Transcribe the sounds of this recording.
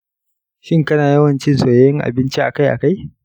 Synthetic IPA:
ʃɪ˦ŋkɐ˦naː˨jɐ˦wɐ˨nt͡ʃɪ˦nsoː˨jjɪ˦ŋʔa̰˨bɪ˦nt͡ʃi˦ʔa˨ka˦jʔa̰˨ka˦j

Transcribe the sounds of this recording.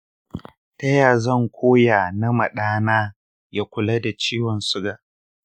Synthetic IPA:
tɐ˦jaː˨zɐ˦˨ŋkʷʰoː˦jaː˨nɐ˦mɐ˨ɗaː˦naː˦ | ja˦kʷʊ˨la˦da˨t͡ʃiː˦wɔ˨nsʊ˦ɡaː˨

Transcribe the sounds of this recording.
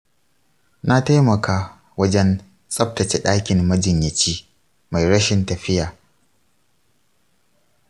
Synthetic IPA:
na˦ta˦jmɐ˨kaː˦ | wɐ˦d͡ʒɛ˦n | sʼɐ˦p̚tɐ˨t͡ʃɛ˨ɗaː˦kʲɪ˨nmɐ˦d͡ʒɪ˨ɲjɐ˨t͡ʃiː˦ | ma˨jɽɐ˦ʃɪ˦ntɐ˨ɸɪ˦jaː˨

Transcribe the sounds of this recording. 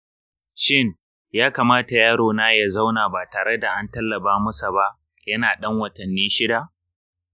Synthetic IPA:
ʃɪ˦ŋ | jaː˦ka˨maː˦ta˨jaː˦ɽoː˨naː˦ja˦˨za˦wnaː˨baː˨taː˨ɽe˦da˨ʔa˦ntɐ˦lːɐ˨baː˦mʊ˦sa˨ba˦ʔ | jɐ˦naː˨ɗɐ˦ŋwɐ˨tɐ˨nːiː˦ʃɪ˦da˨ʔ

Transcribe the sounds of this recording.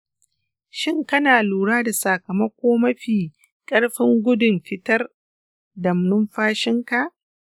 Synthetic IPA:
ʃɪ˦ŋkɐ˦naː˨luː˨ɽaː˦da˨sa˨kɐ˨mɐ˦kʷoː˦mɐ˦ɸiː˨ | kʼɐ˦ɽɸɪ˦ŋɡʷʊ˦dʊ˨mɸɪ˦tɐ˦r | dɐ˨mnʊ˦mɸaː˦ʃɪ˦ŋka˨ʔ

